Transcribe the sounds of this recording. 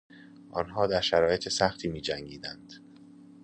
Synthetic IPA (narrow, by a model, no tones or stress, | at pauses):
ʔɒnɦɒːd̪æɾʃæɾɒːje̞t̪ʰesæxt̪ʰiːmiːd͡ʒæŋɡiːd̪ænd̪̥